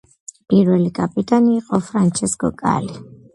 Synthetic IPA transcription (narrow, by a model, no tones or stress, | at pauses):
pʼiɾwɛlikʼapʼit̪ʼaniːqʼɔfɾant͡ʃʰɛskʼɔ̰kʼa̰li